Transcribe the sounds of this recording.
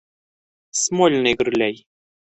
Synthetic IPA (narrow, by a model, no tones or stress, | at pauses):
smolʲneɣərlʲæj